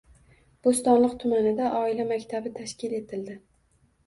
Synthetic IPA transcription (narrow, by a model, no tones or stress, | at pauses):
b̥ost̪ɒnlˠɨqt̪ʰʊmanɪd̪aʔɒɪlamakʲt̪ʰabɪt̪ʰaʃkʲɪle̞t̪ʰɪld̪ɪ